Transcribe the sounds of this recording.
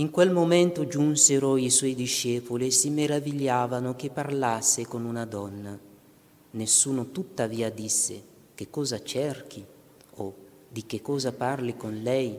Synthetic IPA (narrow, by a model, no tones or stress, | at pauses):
iŋkwelmomɛnt̪ʊd͡ʒunseɾoiswɔjd̪iʃːɛːpoliesimeɾaviʎːaːvanʊk̟epːarlasːekonunad̪ɔnːa | nesːuːnʊt̪ut̪ːaviːad̪isːḛ | kekːɔːzat͡ʃɛrk̟ʰi | o | d̪ikekːɔːzaparlikonlɛj